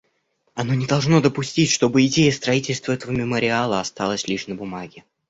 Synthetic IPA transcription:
ɐno̞nʲɪd̪ɐlˠʐno̞d̪əpʊsʲtʲitʲʂt̪o̞bɨɪdʲejəst̪ɾɐitʲɪlʲst̪vəɛt̪əvəmʲɪməɾʲɪalˠəɐst̪ɑlˠəsʲlʲiʂnəbʊmaɡʲɪ

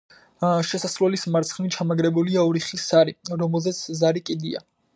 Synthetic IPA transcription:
ʃɛsasɾwɛlismaɾt̪sχnit͡ʃʰamaɡɾɛbuliaɔɾiχisːaɾiɾɔmɛlˠzɛt̪sʰzaɾikʼid̪ia̰

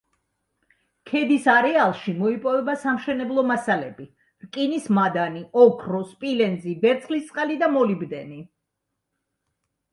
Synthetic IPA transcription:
kʰɛd̪isaɾɛalˠʃimɔipʼɔvɛbasamʃɛnɛblˠɔmasalɛbi | ɾkʼinismad̪aniɔkʰɾɔspʼilɛnd̪zibɛɾt̪sʰχlist̪ʼqʼalid̪amɔlibd̪ɛni

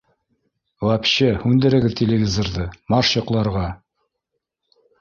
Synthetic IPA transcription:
w̪ˠɑpɕɘhʉnd̪ɘ̆ɾɘ̆ɡɘðt̪ʲelʲevʲizorðɤmɑʃjŏqlˠɑɾʁɑ

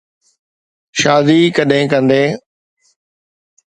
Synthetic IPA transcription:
ʃaːd̪iːkəɗɦɪ̃ːkə̃nd̪eː

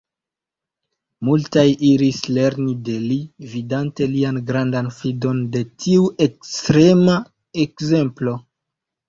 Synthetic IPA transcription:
multajʔiɾisle̞ɾnide̞lividante̞lianɡɾandanfido̞nde̞tʰiuʔe̞kstɾe̞ma | e̞kze̞mplo̞

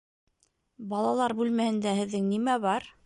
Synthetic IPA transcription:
bɑlˠɑlˠɑɾbʉlmæhɘ̆nd̪æhɘ̆ðːɘŋnimæβɑɾ

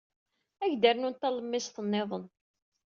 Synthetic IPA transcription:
æʝd̪əɾnʊnt̪æləmːɪsθənːeðˤən

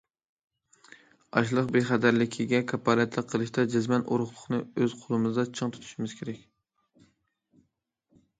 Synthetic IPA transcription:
ɑ̰ʃlˠəqbeχæd̪æɾlɪkʲʰiɡʲɛkʰɑpʰːɑlɛt̪ʰlˠək̚qʰːəlˠɨʃt̪ɑd͡ʒɪzmɛnʔo̰ɾʊχlˠʊχnɨøz̥qʰolˠɨmɨzɨd̪ɑt͡ʃʰɨŋt̪ʰu̥t̪ʰu̥ʃumɪz̥kʲʰeɾɛkʲ

